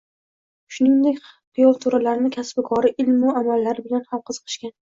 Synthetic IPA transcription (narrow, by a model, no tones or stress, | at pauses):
ʃʊnɪŋd̪ekʲqijɒlˠt̪ʰʊɾalaɾnɪkʲʰasbɪkʰɒɾɪʔɪlmʊamalːaɾɪbɪlanhamqʰɨz̥ɨqʰɨ̥ʃkʲan